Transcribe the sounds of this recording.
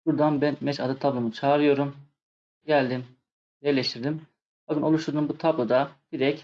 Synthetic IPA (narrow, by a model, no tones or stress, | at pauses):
buɾd̪anbænmɛt͡ʃad̪ɯt̪ʰablˠomut͡ʃʰaːɾɯjo̞ɾum | ɟælʲd̪im | jɛɾlʲeʃt̪ʰiɾd̪im | baɡɯno̞lˠuʃt̪ʰuɾd̪umbut̪ʰablˠod̪ab̥iɾɛc